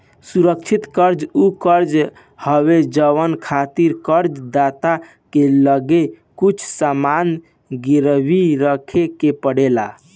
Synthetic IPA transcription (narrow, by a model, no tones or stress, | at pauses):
suɾək̚t͡ʃʰit̪kəɾd͡ʒukəɾd͡ʒ | həwed͡ʒəwənkʰat̪iɾkəɾd͡ʒd̪at̪a | keləɡe | kut͡ʃʰsaman | ɡiɾbiɾəkʰekepəɽela